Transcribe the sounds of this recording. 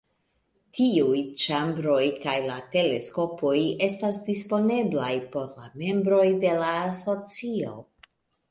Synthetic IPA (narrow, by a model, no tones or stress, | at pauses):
tiujt͡ʃambɾo̞jkajlate̞le̞sko̞po̞je̞stasdispo̞ne̞blajpo̞ɾla̰me̞mbɾo̞jde̞laːso̞t͡sio̞̰